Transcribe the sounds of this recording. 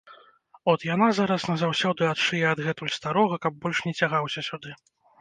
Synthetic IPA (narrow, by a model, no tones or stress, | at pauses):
ɔt̪janazaɾɐsnɐzawsʲɔd̪ɨat̪ʂɨjɛɐd̪ɣɛt̪ulʲst̪aɾɔɣɐkɐb̚ːɔlʲʂnʲɛt͡sʲaɣawsʲɐsʲud̪ɨ